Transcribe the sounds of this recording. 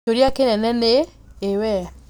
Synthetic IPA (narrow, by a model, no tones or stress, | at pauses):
oɾjakenɛnɛneː | wɛ